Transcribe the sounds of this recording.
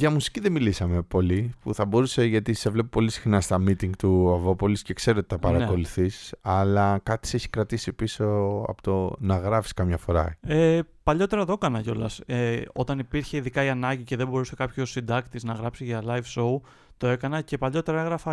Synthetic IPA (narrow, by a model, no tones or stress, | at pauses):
ʝɐmusi̥ciðemilisɐme̞po̞lipṵθɐbo̞ɾuse̞ʝɐt̪ise̞vle̞p̬opo̞lisi̥xnɐst̪ɐmit̪iŋɡt̪uɐvo̞po̞lisce̞kse̞ɾoot̪iθɐpɐɾɐkko̞luθisɐlɐkɐt̪i̥seçi̥kɾɐt̪isipiso̞ɐ̰po̥t̪onɐɣɾɐfi̥skɐmɲɐfo̞ɾɐ̰epɐʎo̞t̪e̞ɾɐðo̞kɐnɐʝo̞lɐseo̞t̪ɐnipiɾçe̞iðikɐiɐnɐɲɟice̞ðe̞bo̞ɾusekɐpço̞sind̪ɐkt̪iznɐɣɾɐpsiʝɐlɐivso̞u | t̪o̞e̞kɐnɐce̞pɐʎo̞t̪e̞ɾɐeɣɾɐfɐ